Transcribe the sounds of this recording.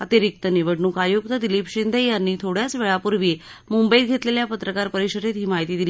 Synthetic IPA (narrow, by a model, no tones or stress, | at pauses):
ət̪iɾik̚t̪əniʋəɽnuːkajuk̚t̪əd̪iliːpɕind̪ʱəjanːiːt̪ʰoɽjat͡sʋeɭapuɾʋi | mumbəit̪̚ɡʱet̪leljapət̪ɾəkaɾpəɾiɕəɾet̪ɦiːmaɦit̪iːd̪il